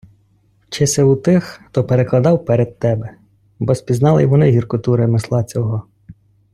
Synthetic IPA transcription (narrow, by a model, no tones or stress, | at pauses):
t͡ʃɪsʲɛut̪ɪxt̪ɔpeɾeklˠɐd̪ɑwpeɾed̪̚t̪ɛbɛ | bɔsʲpʲiznɑlˠɪ̰jʋɔnɪɦʲirkʊt̪uɾɪmɪslˠɑt͡sʲɔɦɔ